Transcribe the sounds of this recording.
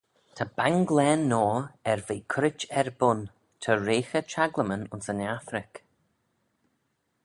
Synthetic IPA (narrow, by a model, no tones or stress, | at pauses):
tʰəb̥aŋɡlɛnːɔːɛɹveːkʰʊɾɪt͡ʃɛɹbʊn | tʰəɹeːxət͡ʃʰaɡləmənʊnsənaθɾɪk